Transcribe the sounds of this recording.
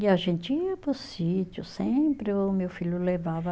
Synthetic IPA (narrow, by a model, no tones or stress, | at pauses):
ɪaʒẽnt͡ʃɪɐpʊsit͡ʃʊsẽpɾɪʊmewfiʎʊlevavɐ